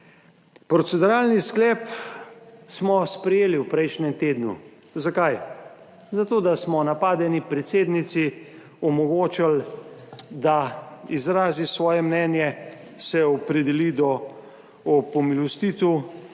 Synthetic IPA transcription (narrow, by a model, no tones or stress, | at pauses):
pɾɔt̪sɛd̪uɾaːlnisklɛːp | smɔspɾɛjeːliwpɾɛjʃnɛmt̪eːd̪nṵ | zakaj | zat̪oːd̪asmɔnapaːd̪ɛnipɾɛt̪seːd̪nit̪si | ɔmɔɡoːt͡ʃal | d̪aizɾaːzisʋɔːjɛmnɛːnjɛ | sɛɔpɾɛd̪ɛliːd̪ɔ | ɔpɔmilɔst̪iːt̪u